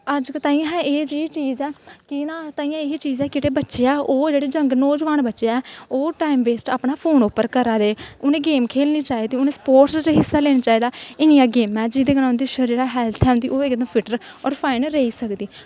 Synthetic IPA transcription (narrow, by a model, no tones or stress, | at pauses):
əd͡ʒkət̪aːĩãɦɛ̃ːeːd͡ʒit͡ʃiːzɛːkɪnaːt̪aːĩːãːeiːt͡ʃiːzɛːkɪʈeːbətːʃeaːʔoːd͡ʒeːɽeːd͡ʒəŋɡnoːd͡ʒʋaːnbətːʃeaɛːoːʈaːimbeːsʈaːpɳaːpʰoːnʊpːəɾkəɾaːd̪eːʊnẽːɡeːmkʰeːlniːt͡ʃaːiːd̪iːʊnẽːsə̥poːʈst͡ʃːɦɪsːaːleːnaːt͡ʃaːiːd̪aːɪnijãːɡeːmɛ̃ːd͡ʒiːd̪eːɡənãːʊnd̪iːʃəd͡ʒeːɽaːɦɛːlt̪ʰɛːʊ̃nd̪iːʔoːɪkd̪əmpʰɪʈəɾ | ɔːɾpʰaːɪnɾeiːsəkd̪iː